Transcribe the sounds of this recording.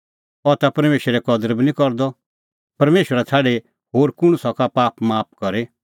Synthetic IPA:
ɔt̪apɐɾmeːʃəɾɛkɔd̪əɾbinĩkɔɾd̪ɔ | pɐɾmeːʃwəɾat̪ʰaːɽe | ɦoːɾkʊɽ̃usakapaːpmaːp̚kɔɾe

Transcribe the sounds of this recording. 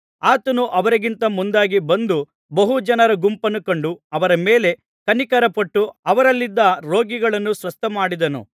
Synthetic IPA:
aːt̪ɐnuʔɐʋɐɾɐɡint̪ɐmund̪aːɡibɐnd̪u | bɐɦud͡ʒɐnɐɾɐɡumpɐnukoɳɖuɐʋɐɾɐmeːle̞ | kɐnikɐɾɐpɐʈːuɐʋɐɾɐlːid̪ːɐɾoːɡiɡɐɭɐnːusʋɐst̪ʰɐmaːɽid̪ɐnṵ

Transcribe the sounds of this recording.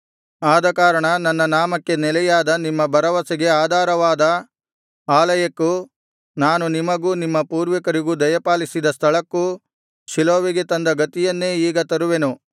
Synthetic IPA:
aːd̪ɐkaːɾɐɳɐnɐnːɐnaːmɐkːe̞nɛlɛjaːd̪ɐnimːɐbɐɾɐʋɐseɡe̞aːd̪ʱaːɾɐʋaːd̪ɐ | aːlɐjɐkːu | naːnunimɐɡuːnimːɐpuːɾʋɐkɐɾiɡud̪ɐjɐpaːlisid̪ɐst̪ʰɐɭɐkːu | ʃiloːʋiɡe̞t̪ɐnd̪ɐɡɐt̪ijɐnːe̞ːiːɡɐt̪ɐɾuʋenu

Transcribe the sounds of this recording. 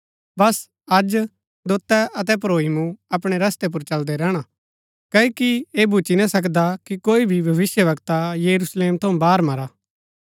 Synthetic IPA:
bɐs | ɐd͡ʒ | d̪ot̪ːɛɐt̪ɛp̬ɾoːɦimuɐpɽ̃eɾɐst̪ep̬ʊɾt͡ʃɐld̪ɛɾɛːɽ̃a | kɐikieːbʱut͡ʃinasɐk̬d̪akikoːibʱibʱɐʋɪsjəʋɐkt̪ajɐɾusleːmt̪ʰɐũbaːɾmɐɾaː

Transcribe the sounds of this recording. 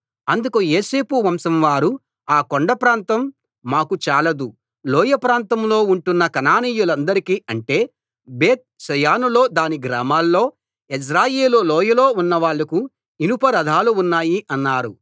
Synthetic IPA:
ɐnd̪ukujeːse̞ːpuʋɐmsɐmʋaːɾu | aːkoɳɖɐpɾaːnt̪ɐmː | aːkut͡ʃaːlɐd̪u | lɔːjɐpɾaːnt̪ɐmlo̞ːuɳʈunːɐkɐnaːniːjulɐnd̪ɐɾikiːʔɐɳʈe̞ː | be̞ːt̪̚ʃɐjaːnulo̞ːd̪aːniɡɾaːmaːlːo̞ː | es̬ɾaːjeːlulɔːjɐlo̞ːunːɐʋaːɭːɐku | inupɐɾɐd̪ʱaːluːnːaːjiʔɐnːaːɾu

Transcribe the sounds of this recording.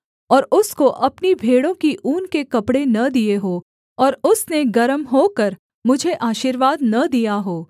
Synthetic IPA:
ɔːɾʊskoʔɐpnibʱeːɽõkiʔuːnkekɐpɽenɐd̪ijeɦoː | ɔːɾʊsneɡɐɾəmɦoːkɐɾ | mʊd͡ʒʱeʔaːʃiːɾʋaːd̪nɐd̪ijaɦoː

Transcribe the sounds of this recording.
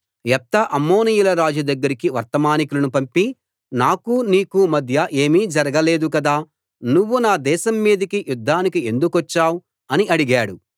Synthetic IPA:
ɛt̪ːɐʔɐmːoːnijulɐɾaːd͡ʒɐd̪ɐɡːɐɾikiʋɐɾt̪ɐmaːnikulɐnupɐmpi | naːkuniːkumɐd̪ʱjɐʔe̞ːmiːd͡ʒɐɾɐɡɐle̞ːd̪ukɐd̪aː | nuʋːunaːd̪ɛːʃɐmːiːd̪ɐkijud̪ʱːaːnikie̞nd̪ukʋɐt͡ʃːaːwu | ɐniʔɐɽiɡaːɽu

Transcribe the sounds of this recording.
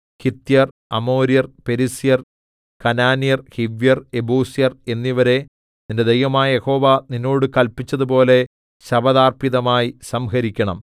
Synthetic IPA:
kit̪ːjɐr | ɐmo̞ːɾijɐrpe̞ɾisijɐr | kɐnaːnijɐrhiʋjɐrebuːsjɐre̞nːiʋɐɾe̞ | ninde̞d̪ejʋɐmaːjɐje̞ho̞ːʋaninːo̞ːɽɨkɐlpit͡ɕːɐðupo̞ːle̞ | ɕɐbɐðaːrpiðɐmaːjisɐmɦɐɾikʲːɐɳɐ̰m

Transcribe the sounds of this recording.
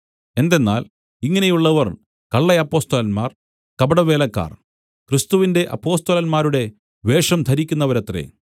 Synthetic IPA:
e̞nd̪e̞nːaːl | iŋːɐne̞juɭːɐʋɐr | kɐɭːɐɐpːo̞ːst̪ɐlɐnmaːr | kɐbɐɽɐʋe̞ːlɐkːa̰ːr | krist̪uʋinde̞ʔɐ̰pːo̞ːst̪ɐlɐlmaːɾuɽe̞ | ʋe̞ːʂɐmt̪ʰɐɾikʲːunːɐʋɐɾɐt̪ːrḛ

